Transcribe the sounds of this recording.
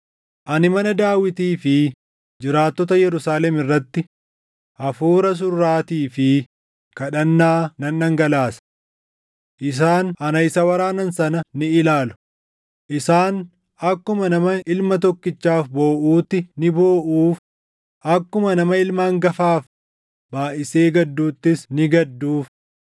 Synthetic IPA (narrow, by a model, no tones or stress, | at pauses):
ʔɐnɪmɐnɐd̪aːwɪt̪iːfɪ | d͡ʒɪɾaːt̪ːɔt̪ɐjɛɾʊsaːlɛmɪrːɐt̪ːɪ | ʔɐfuːɾɐs̬ʊrːaːt̪iːfɪ | kɐᶑɐnːaːnɐnːɐŋɡɐlaːsɐ̥ | ʔɪs̬aːnɐnɐɪsɐwɐɾaːnɐnsɐnɐnɪɪlaːlʊ̥ | ʔɪsaːn | ʔɐkːʊmɐnɐmɐɪlmɐt̪̬ɔkːɪt͡ʃːaːfbo̞ːʔuːt̪ːɪnɪboːʔuːf | ʔɐkːʊmɐnɐmɐɪlmaːŋɡɐfaːf | baːʔɪseːɡɐd̪ːuːt̪ːɪsnɪɡɐd̪ːuːf